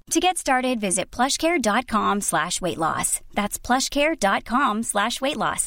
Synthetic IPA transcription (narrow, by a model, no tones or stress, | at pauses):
tʰɨɡɛtstɑɹɾɨdvɪzɨt̚pʰl̥ʌʃkʰɛɹdɑt̚kʰɑ̃mslæʃweɪʔˡlɔ̰sðætspʰl̥ʌʃkʰɛɹdɑt̚kʰɑ̃mslæʃweɪtˡlɔ̰s